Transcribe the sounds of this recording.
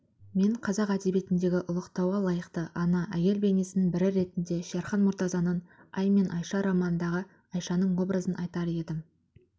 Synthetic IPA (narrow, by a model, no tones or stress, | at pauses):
me̞ɴqʰɑzɑqæd̪e̞be̞t̪ɪnd̪e̞ɡʲɪʔʊlˠəqt̪ɑwɑlˠɑjəqt̪əʔɑnɑʔæje̞lbe̞nesɪnɪnbɪɾɪɾe̞t̪ɪnd̪e̞ʃeɾχɑnmʊɾt̪ɑzɑnənɑjme̞nʔɑjʃɑɾɑmɑnənd̪ɑʁə | ɑjʃɑnəɴwo̞brəzənʔɑjt̪ɑɾe̞d̪ɪm